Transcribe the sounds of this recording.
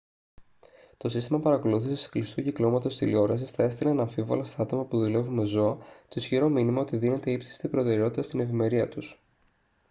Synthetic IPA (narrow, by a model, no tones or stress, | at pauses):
t̪o̞sist̪imɐpɐɾɐko̞luθisesi̥klist̪uciklo̞mɐt̪o̞st̪ilio̞ɾɐsisθɐe̞st̪ileenɐɱfivo̞̰lɐst̪ɐɐt̪o̞mɐpuðule̞vume̞zo̞ɐt̪osçiɾo̞minimɐo̞t̪iðine̞t̪e̞ipsi̥st̪ipɾo̞t̪e̞ɾe̞o̞t̪it̪ɐst̪ine̞vime̞ɾiɐt̪us